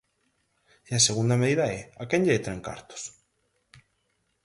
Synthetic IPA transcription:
iaseɣund̪ameðiðaeakeɲʎeet̪ɾeŋka̰ɾt̪o̥s

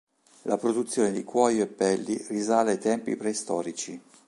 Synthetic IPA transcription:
lapɾod̪ut̪sːjoːned̪ikwɔːjoepːɛlːirizaːleajt̪ɛmpḭpɾɛst̪ɔːɾit͡ʃi

